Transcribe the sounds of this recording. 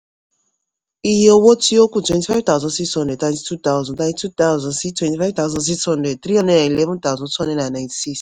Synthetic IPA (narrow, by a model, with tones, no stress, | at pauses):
i˨ɦe˦o˦wo˦ti˦o˦ku˨twɛ̃˨nti˨fa˦ɪvt̪a˦˨zɔ̃˨nsi˦kshɔ̃˦nde˨tã˨j̃nti˦tu˦t̪a˦ʊzɔ̃˨ntã˦tu˦t̪a˦ʊzɔ̃˨nsi˦twɛ̃˨nti˨fa˦jvt̪a˦ʊ˦zɔ̃˦ns̬i˦kshɔ̃˦ndɛ˨d̚t̪ɾi˦ɦɔ̃˦ndɛ˨na˨i˨lɛ˦vũ˦nt̪a˦wzɔ̃˨twɔ̃˦ndɛ˨dna˨nã˨j̃nti̥˨si˦s